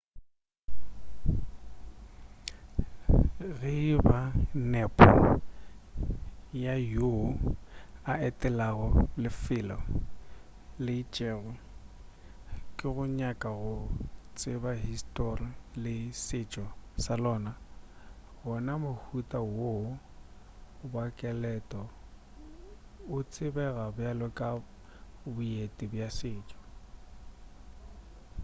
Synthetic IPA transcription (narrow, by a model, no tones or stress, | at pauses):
ɣɪibanɛpʼɔ | jajoaɛtʼɛlaɣʊlɪfɪlɔ | lɪit͡ʃʼɛːɣʊ | kʼɪɣʊɲakʼaɣʊt͡sʼɪbaɦistʼɔrilɪsɪt͡ʃʼɔsalɔːna | ɣʊnamʊhutʼawo | bakʼɛlɛtʼɔ | ʊt͡sʼɪbɛɣabjalʊkʼa | bʊetʼibjasɪːt͡ʃʼɔ̥